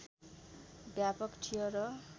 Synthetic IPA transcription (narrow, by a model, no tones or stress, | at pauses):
ɡjapʌkʈʰijʌɾʌ